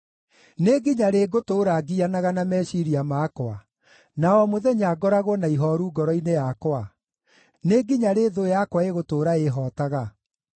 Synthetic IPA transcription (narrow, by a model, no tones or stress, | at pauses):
neɡiɲaɾeɡotoːɾaɡianaɣanamɛʃiɾiamakwa | naɔmoðɛɲaɡɔɾaɣwɔnaiɦɔɾuːɡɔɾɔinejakwa | neɡiɲaɾeːðojakwaeɣotoːɾaeɦɔːtaɣa